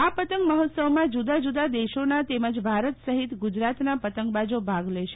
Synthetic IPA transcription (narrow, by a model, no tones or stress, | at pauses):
apət̪əŋkməɦɔt̪səʋmãd͡ʒud̪ad͡ʒud̪ad̪eʃonat̪eməd͡ʒbʱaɾət̪səɦit̪ɡud͡ʒɾat̪napət̪əŋkbad͡ʒobʱaɡleʃe